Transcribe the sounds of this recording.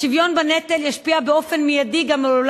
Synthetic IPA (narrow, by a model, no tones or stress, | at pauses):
ʃivjo̞nbanet̪eljaʃpiabeo̞fe̞nmijad̪iɡamool